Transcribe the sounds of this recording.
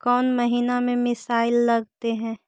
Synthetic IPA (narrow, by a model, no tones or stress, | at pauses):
kɔːnmɐɦiːnamẽmɪsaːɪlːɐɡt̪eɦɛ̃ː